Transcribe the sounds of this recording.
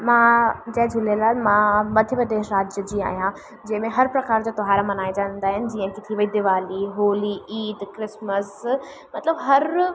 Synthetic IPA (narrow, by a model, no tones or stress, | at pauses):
mãd͡ʑɐ̃ɦd͡ʑʱʊlelaːlmãmɐd̪ʱjəbəd̪eːɾɾaːd͡ʑəd͡ʑĩa̰ːɦijã | d͡ʑɐ̃ɦɪ̃mẽɦɐɾpɾɐkaːɾd͡ʑaːt̪ʊɦaːɾamɐnaːid͡ʑãːñnd̪aːɦɪnɪ̆d͡ʑiːə̃kɪt̪ʰiʋɐid̪iʋaːliɦoːliiːd̪kɾɪsməs | mɐt̪ləbɦɐɾ